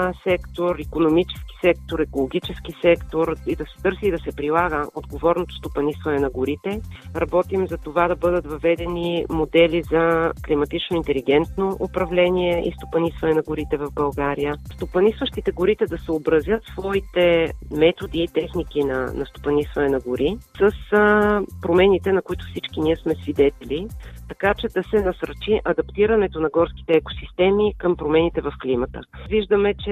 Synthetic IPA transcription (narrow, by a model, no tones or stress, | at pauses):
sɛkt̪oɾikonomit͡ʃɛ̥sk̟i̥sɛkt̪oɾɛkolˠoɡ̟it͡ʃɛskisɛkt̪oɾid̪ɐsɛ̥t̪ɤɾsiːd̪ɐsɛpɾilˠaɡəod̪ɡovɔɾnot̪o̥st̪opɐnisvɐnɛnɐɡʊɾit̪ɛɾɐbɔt̪imzɐt̪ovad̪ɐbɤd̪ət̪vɐvɛd̪ɛnimod̪ɛlizɐklimɐt̪it͡ʃnoint̪ɛliɡɛnt̪noʔopɾɐvlɛniɛḭst̪o̥pɐnisvɐnɛnɐɡʊɾit̪ɛvɐvbɐlˠɡaɾijəst̪opɐnisvəʃt̪it̪ɛɡʊɾit̪ɛd̪ɐsobɾəzʲjət̪svɔit̪ɛmɛt̪od̪iːt̪ɛxnik̟inɐ̰nɐst̪o̥pɐnisvɐnɛnɐɡʊɾʔisəs | pɾomɛnit̪ɛnɐkʊit̪ʊ̥fsit͡ʃk̟iniɛsmɛsvid̪ɛt̪ɛlit̪ɐkat͡ʃɛd̪ɐsɛnɐsəɾt͡ʃiʔɐd̪ɐpt̪iɾənɛt̪onɐɡɔɾski̥t̪ɛːko̥sist̪ɛmikəmpɾomɛnit̪ɛvɐfklimət̪əviʒd̪əmɛt͡ʃɛ